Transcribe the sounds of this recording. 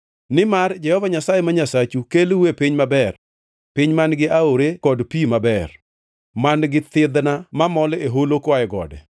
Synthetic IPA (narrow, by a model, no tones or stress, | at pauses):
nɪmard͡ʒɛhɔvaɲasajemaɲasat͡ʃukelwepiɲmabɛr | pɪɲmanɡɪʔaoɾekɔdpimabɛr | manɡɪt̪ɪd̪namamɔleɦolokwaɛɡɔ̰dɛ̰